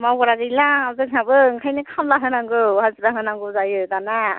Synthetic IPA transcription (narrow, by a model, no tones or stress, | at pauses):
mabɔɾaɡɯjlazɯŋɦabɯŋkʰajnɯkʰamlaɦɯnaŋɡɯhazɾaɦɯnaŋɡɯzajɯdana